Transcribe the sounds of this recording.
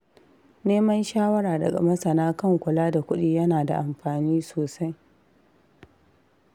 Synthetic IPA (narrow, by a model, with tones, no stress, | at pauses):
neː˦mɐ˦nʃaː˦wɐ˦ɾaː˨dɐ̰˨ɡɐ̰˨mɐ˦sɐ˨naː˦kɐ˦˨ŋkʷʊ˨laː˦da˨kʷʊ˦ɗiː˦jɐ˦naː˨da̰˨ʔa˨mɸaː˨niː˦soː˨sa˦j